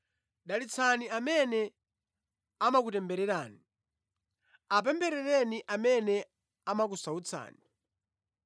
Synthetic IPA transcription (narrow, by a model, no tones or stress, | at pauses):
ɗalit͡sʰaniamɛnɛ | amak̬utɛmbɛɾɛɾaːni | ap̬ɛmbɛɾɛɾɛniʔamɛnɛ | amak̬usaut͡sʰa̰ːni